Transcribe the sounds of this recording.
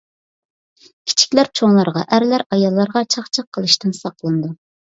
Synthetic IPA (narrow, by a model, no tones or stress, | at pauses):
kʲʰi̥t͡ʃʰi̥kʲlæɾt͡ʃʰoŋlˠɑɾʁɑ̰ʔæɾlæɾɑjɑlˠːɑɾʁɑt͡ʃʰɑχt͡ʃʰɑqʰːəlˠɨʃt̪ɨnsɑqlˠɨnd̪u